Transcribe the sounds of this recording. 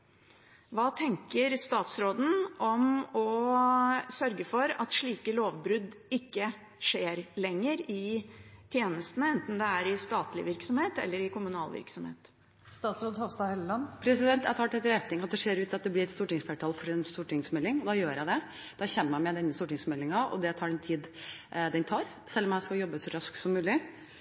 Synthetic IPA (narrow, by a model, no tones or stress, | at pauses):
ʋɑːt̪ʰɛŋkəɾst̪ɑːt̪sɾoːd̪n̩ɔmɔ | sœɾɡəfɔɾɑt̪ʂɭiːkəloːʋbɾʉd̪ | ɪkːə | ʂeːɾlɛŋːəɾɪt̪ʰjeːnəst̪ənəɛnt̪n̩d̪ɛæɾɪst̪ɑːt̪lɪ̰ʋɪɾksɔmheːt̪ɛ̰lːəɾɪkʊmʉnɑːlʋɪ̰ɾksɔmhḛːt̪ | st̪ɑːt̪sɾoːd̪hoːʋst̪ɑːhɛllɑnːpʰɾɛsɪd̪ɛnt̪æt̪ʰɑːʈ̪ʰɛt̪ːəɾɛt̪nɪŋɑt̪̚d̪ɛʂeːɾʉːt̪ːɑt̪d̪ɛb̪ɪɾɛt̪st̪uːʈɪŋsfæʈʰɑːlfɔɾɛnst̪uːʈɪŋsmɛlːɪŋɔd̪ɑjøːɾjæɪd̪ɛ | d̪ɑɕɛmːæmɛd̪ɛnːəst̪uːʈɪŋsmɛlːɪŋɑɔ̰d̪ɛt̪ʰɑːɖɛnt̪ʰiːd̪d̪ɛnt̪ʰɑːɾ | sɛlːɔmjæɪskɑjɔbːəsɔɾɑsk̪sɔmːʉːlɪ